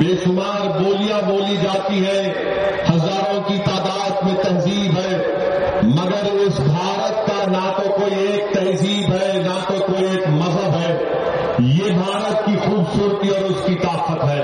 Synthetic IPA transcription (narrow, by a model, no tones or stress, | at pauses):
beːʃʊmaːɾboːlijaboːlid͡ʒaːt̪iɦɛ | hɐzaːɾõkit̪aːd̪aːd̪mẽt̪ɐnziːbɦɛː | mɐɡəɾʊsbʱaːɾət̪kanɐt̪okoːieːk̚t̪ɐnziːbɦɛːnɐt̪okoːieːkmɐzəbɦɛː | jeːbʱaːɾət̪̚kixuːbsuːɾt̪iɔːɾʊskit̪aːqət̪ɦɛː